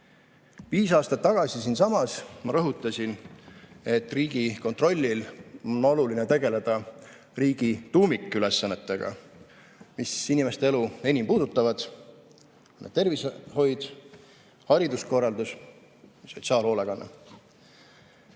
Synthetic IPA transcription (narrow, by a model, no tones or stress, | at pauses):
viːsɑːst̪ɑt̪ːɑɡ̥ɑsisinsɑmɑsmɑɾɤɦut̪ːˑɑsʲin | e̞t̪ːˑriːɡ̥iko̞nt̪ˑro̞lʲːilo̞nːo̞lulinet̪e̞ɡ̥e̞le̞d̪̥ɑ | riːɡ̥it̪uːmikˑːyle̞sːɑnːe̞t̪ːˑe̞ɡ̥ɑ̰ | misinime̞st̪ee̞lue̞nʲimpuːd̪̥ut̪ːˑɑvɑd̪̥ | nːḛt̪e̞rvisho̞jd̪̥ | hɑɾid̪usko̞rːɑld̪us | so̞t̪sɑːlho̞ːleɡ̥ɑnːɑ̰